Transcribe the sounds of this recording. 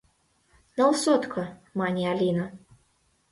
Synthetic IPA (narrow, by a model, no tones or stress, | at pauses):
nɐwsɔt̪kʰɐmanʲialʲinɐ